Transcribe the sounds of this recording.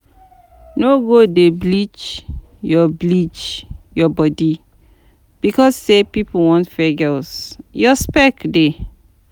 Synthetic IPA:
noɡodeblit͡ʃ | jɔblit͡ʃjɔbɔdi | b̥ikɔsːepipuwɔ̃ntfɛɡɛsjɔspɛkde

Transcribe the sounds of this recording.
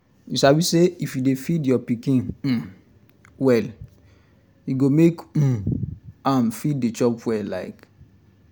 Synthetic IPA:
jusabiseifjudefidjɔpikĩn̩ | wɛl | juɡomek̩ | amfid̚et͡ʃɔpwɛla̰ɪk

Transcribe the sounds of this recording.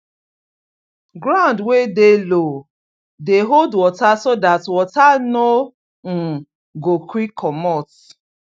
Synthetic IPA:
ɡɾãndwedelo | deɦoldwɔtasodatwɔtano | ŋ̩ | ɡokɾikʰɔmɔt

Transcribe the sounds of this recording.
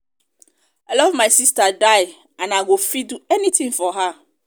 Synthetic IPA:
alɔvmajsistadaj | ãnaɡofiduɛnĩt̪ʰĩŋfɔɦa

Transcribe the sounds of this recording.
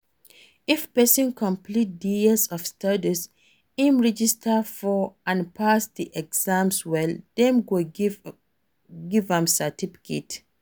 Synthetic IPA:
ifpɛsɔ̃nkʰɔ̃mplit̚diəsɔfstadis | ĩmɹɛd͡ʒistʰafɔãnpʰasdiʔɛɡz̥ãmswɛldɛ̃mɡo | ɡivãmsatʰifi̥kʰet

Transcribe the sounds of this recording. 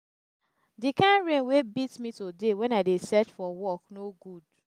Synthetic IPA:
dikãnɹẽnwebitmitodewɛ̃naɪdesɛt͡ʃfɔwɔknoɡud

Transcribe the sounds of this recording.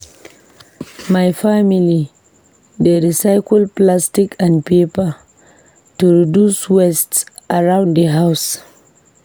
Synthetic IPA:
majfamili | dedisajkɔlplastikʰãnpepa | tuɹiduswɛsts | ʔaɹãʊ̃nddəɦaws

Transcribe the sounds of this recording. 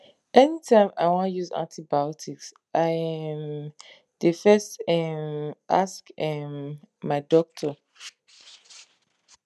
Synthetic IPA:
ɛnitʰãɪ̃ma̰ɪwɔ̃njuzã̰ntibaɔtʰiks | ʔaɪɛ̃m | dəfɛstɛmʔa̰skɛmːaɪdɔk̚tʰɔ

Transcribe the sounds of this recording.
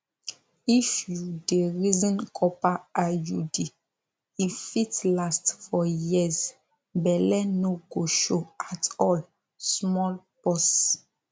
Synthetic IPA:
ifjudeɹizɔ̃nkʰɔpaajude | ifitlastfɔjiz | bɛlɛnoɡoʃoatɔl | smɔl | pɔs

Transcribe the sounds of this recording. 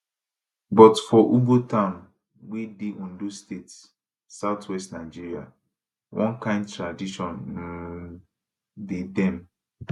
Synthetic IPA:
bɔtfɔʔubotãʊ̃n | widiʔũndustetssː | aʊtʰwɛstnaɪd͡ʒiɹia̰ | wʔɔ̰̃nkãɪ̃nd̚tɹadiʃɔ̃n̩ | dedɛ̃m

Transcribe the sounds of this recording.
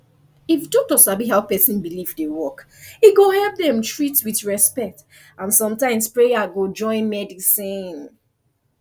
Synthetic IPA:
ifdɔk̚tɔsabiɦaʊpɛsĩnbilivdewɔk | iɡohɛlp̚ðɛ̃mtɹitswiθɹɛspɛk̚t | ãnsɔ̃mtãɪ̃mspɹejaɡod͡ʒɔ̃ɪ̃nmɛdisĩn

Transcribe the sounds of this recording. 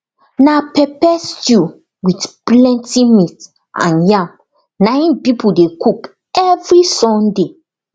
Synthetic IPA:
napɛpɛstu | witplɛ̃ntimit | ã̰njãm | nãj̃npipudekuk | ɛvɹisɔ̃nde

